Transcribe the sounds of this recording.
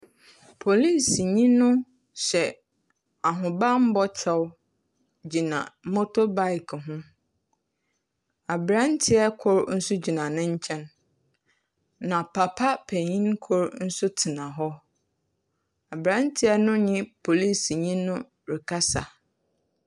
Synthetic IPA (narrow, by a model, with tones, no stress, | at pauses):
pʰo˨li˦˨sɲĩ˦nʊ̃˦ | ɕɛ˨ | a˨ɦʊ̃˨bã˦m̩˦bɔ˦t͡ɕʰɛ˦w | d͡ʑi˨nã̰˨mo˦tʰo˦ba˦ɪ˨kʰɦʊ̃˦ | a˨bɾã˦n˦tʰɪ˦ɛ˦kʰʊ˦ɾn̩˦sʊ˦d͡ʑi˨nã˨nʊ̃˦ɲ̩˦t͡ɕʰɛ̃˦n | nã˨pʰa˨pʰa˦pʰæ˨ɲĩ˦nkʰʊ˦ɾn̩˦sʊ˦tʰɪ˨nã˨ɦɔ˦ | a˨bɾã˦n˦tʰɪ˦ɛ˦nʊ̃˦ɲɪ̃˦pʰo˨li˦˨sɲĩ˦nʊ̃˦ | ɾɪ˨kʰa˦sa̰˨